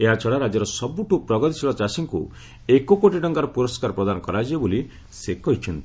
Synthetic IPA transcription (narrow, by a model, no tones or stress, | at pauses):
eɦat͡ʃʰɔɽaɾad͡ʒɔɾɔsɔbuʈupɾɔɡɔt̪isiɭɔt͡ʃasiŋkṵ | ekokoʈiɖɔŋɡaɾɔpuɾɔskaɾɔpɾɔd̪anɔkɔɾad͡ʒieboli | sekɔɦit͡ʃʰɔnt̪i